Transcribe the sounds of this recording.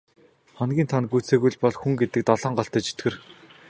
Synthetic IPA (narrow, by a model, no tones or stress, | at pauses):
χɔnɡʲiːnt̪ʰanɡujt͡seːɣujɮpɔɮxuŋɡet̪ɘ̆k̚t̪ɔɮɔːɴɢɔɬt̪æːt͡ɕʰi̥t̪ɡɘ̆r